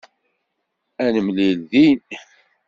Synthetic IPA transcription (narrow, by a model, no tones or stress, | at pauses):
ænəmlilðin